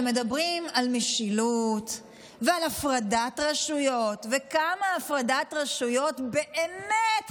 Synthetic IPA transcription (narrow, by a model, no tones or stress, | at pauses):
medabʁimalmeʃilut | vealafʁadatʁaʃujo̞tvekamaːfʁadatʁaʃujo̞tbeʔemet